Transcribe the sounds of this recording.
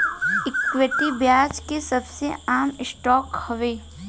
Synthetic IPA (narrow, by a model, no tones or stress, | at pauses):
ɪkʋeʈibjaːd͡ʒkesɐbseaːmɪsʈɔːkhɐʋeː